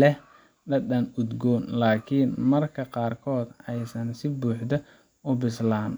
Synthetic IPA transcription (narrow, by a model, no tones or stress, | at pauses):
lɛh | ɖɐdɐnʊd̪ɡɔːnlaːkʰinmɐrkʰɐqɑːrkʰɔːd̪ɛjsɐnsɪbuːħd̪ɐ | ʊbɪslaːn